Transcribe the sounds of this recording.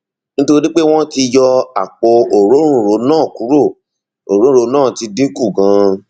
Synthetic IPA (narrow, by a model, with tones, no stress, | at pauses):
nĩ˦to˧ɾi˦ɾi˦k͡pe˦w̃ɔ̃˦ti˧jɔ˧a˨k͡po˧o˨ɾo˨˦ɾ̃ũ˦˨ɾo˨˦nãː˦˨ku˨˦ɾo˦˨ | o˨ɾo˦ũ˦ɾo˨˧nãː˦˨ti˧dĩ˦ku˦˨ɡã˧